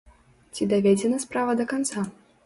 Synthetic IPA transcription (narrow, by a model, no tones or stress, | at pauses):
t͡sʲid̪avʲɛd͡zʲɛnɐspɾavɐd̪ɐkant̪sa